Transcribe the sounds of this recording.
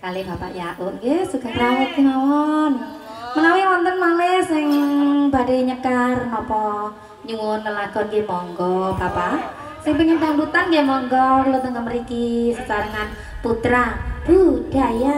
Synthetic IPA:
kalibapa̰ʔjaʔʊnɡesuɡaɾawɛt̪̚kinawɔn | mənawiwɔnt̪ənmalɛsɪŋbadeɲəkarnɔpɔ | ɲuwʊnːəlaɡ̥ɔnɡemɔŋɡɔbapa | sɪŋpəɲit̪ambut̪anɡemɔŋɡɔklot̪əŋkəməɾikisət͡ʃaɾəŋan | put̪ɾab̥ud̥aja

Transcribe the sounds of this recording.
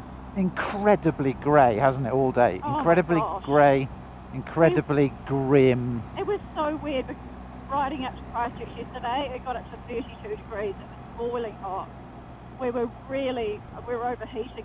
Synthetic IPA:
ɪ̃nkʰɹ̥ɛdəbliɡɹeɪhazn̩tɪtɔːlˠdeɪɪ̰̃nkʰɹ̥ɛɾəbliɡɹeɪ | ɪ̃nkʰɹ̥ɛdəbliɡɹɪ̃mɪʔwɒz̥səʊwɪəd̚bɪkʰʌz | ɹaɪɾɪ̃ŋap̚tʰəpʰɹ̥astɪksjɛstədeɪɪt̚ɡ̥ɒɾətsə̃θɜˑɾitʰʉːdɪɡɹiːzəʔwəzb̥ɔɪlˠɪ̃ŋhɑˑt̚ | wɪwəɹɪəlˠi | wɪɹəʊvəhiˑtɪ̃ŋ

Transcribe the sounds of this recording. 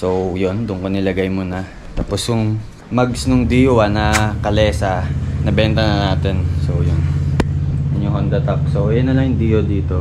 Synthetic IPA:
so̞wjond̪ʊŋkonɪlɐɡajmonɐ | t̪aːpo̞sjʊŋ | mɐɡsnʊŋd̪iːjowɐnɐkɐlɛːsɐnɐbɛnt̪ɐnɐnaːt̪ɛnsowjon | ɐnohond̪ɐt̪ɐpsowjɐnːɐlɐŋjʊŋd̪iːjod̪iːt̪o̞

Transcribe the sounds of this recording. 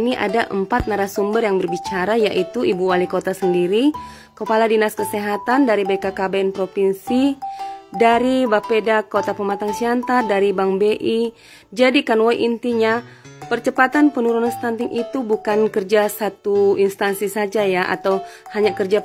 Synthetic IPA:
niʔa̰daʔəmpat̪̚naɾasumbərjaŋbərbit͡ʃaɾajaʔit̪uʔibuwalikot̪asəndiɾi | kəpaladinaskəseɦat̪andaɾibaikakabaɛnpɾopinsi | daɾibapedakot̪apəmat̪aŋsiant̪ardaɾibaŋbeʔi | d͡ʒadikanwojʔint̪iɲapərt͡ʃəpat̪anpənuɾunanst̪ant̪ɪŋʔit̪ubukankərd͡ʒasat̪uinst̪ansisad͡ʒajaʔa̰t̪awhaɲakərd͡ʒa

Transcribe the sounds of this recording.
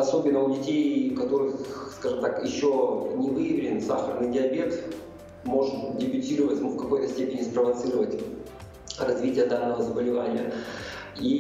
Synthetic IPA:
ɐso̞bʲɪnːəʊdʲɪtʲejkɐt̪o̞ɾɨxskaʐɨmt̪akjɪɕːonʲɪvɨjɪvʲɪlʲɪnsa̰xəɾənɨjdʲɪɐbʲe̞t̪ | mo̞ʐɨt̪dʲɪbʲʊtʲiɾəvətʲmufkɐko̞jt̪əsʲtʲepʲɪnʲɪspɾəvɐt̪sɨɾəvətʲ | rɐzvʲitʲɪjəd̪anːəvəzəbəlʲɪvanʲɪjə̰ | i

